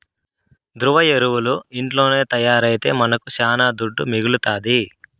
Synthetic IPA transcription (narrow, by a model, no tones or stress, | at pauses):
d̪ɾuʋɐjeɾuwuluiɳʈlo̞ːne̞ːt̪ɐjaːɾɐjit̪e̞̰ːmɐnɐkusaːnaːd̪uɖːumiɡulut̪aːd̪i